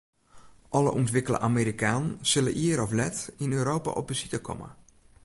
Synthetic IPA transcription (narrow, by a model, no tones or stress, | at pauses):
ʔɑlə̰ʔɔntʋɪkələ̰ʔameɾikaːnənz̥ɵlə̰ʔiəɾɔflɛtɪnøːɾowpa̰ʔɔp̚bəzitəkʰɔ̰mə̰